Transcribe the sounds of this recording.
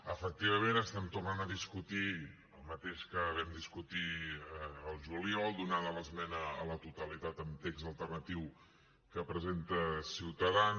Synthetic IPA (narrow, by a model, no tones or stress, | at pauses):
əfək̚t̪iβ̞əmẽnəst̪ɛmt̪urnanəðiskut̪i | əlˠmət̪eʃkəβɛmd̪iskut̪i | əlˠʒuliɔlˠd̪unaðələzmɛnəːlət̪ut̪əlit̪at̪əmt̪ekzəlˠt̪ərnət̪iw | kəpɾəzent̪əsiwt̪əðan